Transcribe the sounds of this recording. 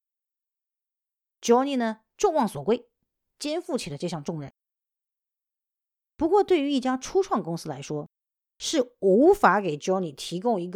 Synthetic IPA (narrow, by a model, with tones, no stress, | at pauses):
t͡ɕjɔ˥ʊni˧˥˩nə˩ | ʈ͡ʂʊ˥˧ŋwɑ˥˩ŋswɔ˨˩kwe˥˩ɪ | t͡ɕjɛ˥nfu˥˩t͡ɕʰi˨˩d̪ə˦ʈ͡ʂɤ˥˧ɕjɑ˥˧ŋʈ͡ʂʊ˥˧ŋɻə̰˥˩n | pu˧˥kwɔ˥˧t̪we˥˩ɪy˧˥i˥˩t͡ɕja˥ʈ͡ʂʰu˥ʈ͡ʂʰwɑ˥˩ŋkʊ˥ŋsɹ̩˥la˧˥ɪʂwɔ˥ | ʂɻ̩˥˩u˧˥fa˧˥ke˨˩ɪt͡ɕjɑ˥ʊni˨˩t̪ʰi˧˥kʊ˥ŋi˧˥ɡ